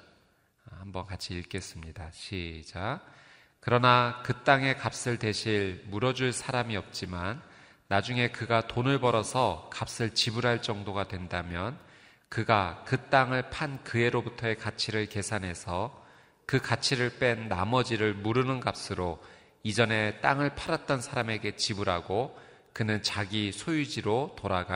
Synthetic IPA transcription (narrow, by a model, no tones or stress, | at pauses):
hambʌnkat͡ɕʰiiɭk͈e̞s͈ɯmɲidaɕʰid͡ʑa | kɯɾʌnakɯt͈aŋe̞kap̚s͈ɯɭtwe̞ɕʰiɭmuɾʌd͡ʑuɭsʰaɾamiʌp̚t͡ɕ͈imanː | ad͡ʑuŋe̞kɯɡatonɯɭbʌɾʌsʰʌkap̚s͈ɯɭt͡ɕibuɾɦaɭt͡ɕ͈ʌŋdoɡadwe̞ndamjʌn | kɯɡakɯt͈aŋɯɭpʰankɯe̞ɾobutʰʌekat͡ɕʰiɾɯɭke̞sʰanɦe̞sʰʌ | kɯkat͡ɕʰiɾɯɭp͈e̞nːamʌd͡ʑiɾɯɭmuɾɯnɯnɡap̚s͈ɯɾo | id͡ʑʌne̞t͈aŋɯɭpʰaɾat̚t͈ʌnsʰaɾame̞ɡe̞t͡ɕibuɾaɡo | kɯnɯnt͡ɕaɡisʰojud͡ʑiɾotoɾaɡa